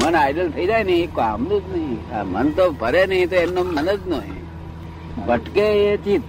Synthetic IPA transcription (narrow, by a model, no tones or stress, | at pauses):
mənajɖəlt̪ʰəid͡ʒajnəɦĩekoa̰mlud͡ʒnəɦĩa̰mə̰nt̪obʱəɾenəɦĩt̪oemnomənəd͡ʒnoɦḭ̃ | bəʈkeet͡ʃi